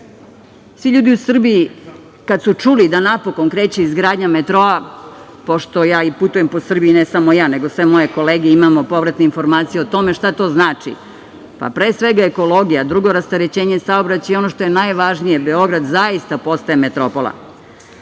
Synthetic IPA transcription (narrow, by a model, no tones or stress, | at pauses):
sʋiʎuːd̪iusr̩bii | kad̪sut͡ʂulid̪anapo̞ko̞nkɾe̞ːt͡ɕeizɡɾaːd̪ɲamet̪ɾo̞a | po̞ʃt̪o̞jaːiput̪ujemposr̩bijinesamo̞jaːne̞ɡo̞sʋemo̞je̞ko̞leːɡeimamo̞po̞ʋɾat̪neinfo̞ɾmaːt̪sijeot̪o̞me̞ʃt̪at̪o̞ːznaːt͡ʂḭ | pa̰pɾeːsʋe̞ɡaeko̞lo̞ɡijad̪ɾuɡo̞ɾast̪aɾet͡ɕeːɲesaobɾat͡ɕajeo̞noʃt̪o̞je̞najʋaʒnije̞beo̞ɡɾad̪zajist̪apo̞st̪aeme̞t̪ɾo̞po̞lˠa̰